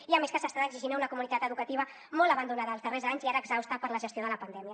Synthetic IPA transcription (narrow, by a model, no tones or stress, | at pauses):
iameskəsast̪aðəɡziʒinaunəkumunit̪at̪əðukət̪iβ̞ə | mɔləβənd̪unaðəːlzðərezaɲziaɾəːɡzawst̪apəɾləʒəst̪ioðələpənd̪ɛmjə